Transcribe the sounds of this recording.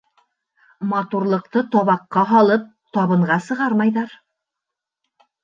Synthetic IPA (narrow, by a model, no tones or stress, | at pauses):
mɑt̪uɾlˠɤ̆qt̪ɤt̪ɒβɑqːɑɦɑlˠɤp̚t̪ɒβɤ̆ɴʁɑsɤ̆ʁɑɾmɑjðɑɾ